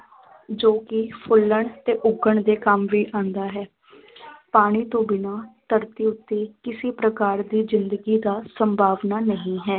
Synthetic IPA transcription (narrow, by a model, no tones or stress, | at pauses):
d͡ʒoːkɪpʰʊlːəɳt̪eːʔʊɡəɳd̪eːkəmʋiːʔãːnd̪aːɦɛː | paːɽ̃iːt̪õːbɪnaːt̪əɾt̪iːʊt̪ːeːkɪsiːpɾəkaːɾd̪iːzɪnd̪əɡiːd̪aːsəmbʱaːʋnaːnəɦĩːɦɛː